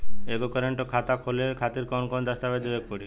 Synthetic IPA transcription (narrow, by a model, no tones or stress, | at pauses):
ebɔkɔɾeɳʈokʰat̪akʰolekʰat̪iɾkɔnkɔnd̪ast̪abed̪ebek̚pɔɽi